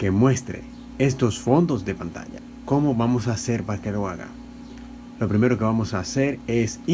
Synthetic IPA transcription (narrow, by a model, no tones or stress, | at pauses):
kemwe̞st̪ɾḛ | e̞st̪o̞sfo̞nd̪o̞zðe̞pant̪a̰ʝa̰ | ko̞mo̞βamo̞saːse̞ɾpaɾake̞lo̞aɣa̰ | lo̞pɾime̞ɾo̞ke̞βamo̞saːse̞ɾes